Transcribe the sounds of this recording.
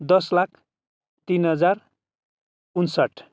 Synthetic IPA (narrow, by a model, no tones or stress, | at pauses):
d̪ʌslakʰ | t̪inɦʌd͡zar | unsʌʈ